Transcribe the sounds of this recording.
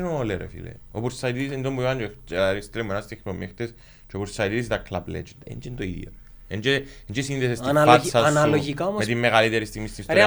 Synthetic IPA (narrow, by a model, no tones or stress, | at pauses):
noleɾḛfḭlḛo̰puɾsait̪id̪is̬end̪ombujand͡ʒɾist̪ɾemunast̪ixpomːext̪es | t͡ʃopuɾsajt̪idis̬t̪aklablḛd͡ʒed̪ḛnd͡ʒend̪oiðḭɐ̰ | end͡ʒend͡ʒesind̪esest̪inaaɾsasanaloʝikammet̪imːeɣalit̪eɾist̪imist̪ist